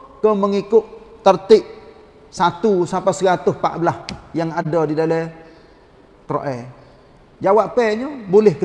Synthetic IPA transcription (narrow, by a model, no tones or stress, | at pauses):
kəməŋikʊʔt̪ərt̪ɪʔ | sat̪usapasəkat̪ʊhpa̰ʔbəlahjaŋadɔdidalɛ | kɾoʔɛ | d͡ʒawaʔpːɛɲəbolɛhkə